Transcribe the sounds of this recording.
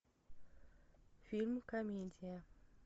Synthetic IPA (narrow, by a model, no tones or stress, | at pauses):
fʲilʲmkɐmʲedʲija